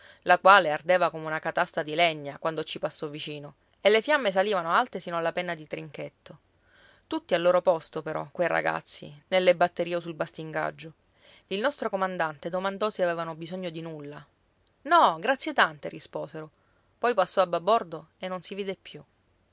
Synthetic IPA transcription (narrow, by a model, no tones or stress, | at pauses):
lakwaːleard̪eːvakomeunakat̪ast̪ɾad̪ileɲːakwand̪ot͡ʃipasːɔvit͡ʃiːno | elːefjamːes̬aliːvanoalt̪esiːnoalːapɛnːad̪it̪ɾiŋket̪ːo | t̪ut̪ːialːoːɾopɔst̪opeɾɔ̰kːwejra̰ɡa̰t̪sːḭnelːebat̪ːeɾiːosulbast̪iŋɡa̰d͡ʒːo | ilnɔst̪ɾokomand̪ant̪ed̪omand̪ɔsiavɛːvanobizoɲːod̪inulːa | nɔɡɾat̪sjet̪ant̪eɾispoːseɾo | pɔjpasːɔabːabːɔrd̪oenːonsiviːd̪epːju